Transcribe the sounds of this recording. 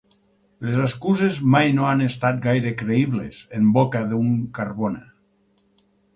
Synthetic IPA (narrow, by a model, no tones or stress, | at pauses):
lezaskuzezmajnoanest̪at̪̚ɡajɾekɾeiβlḛzembokaðuŋkaɾβone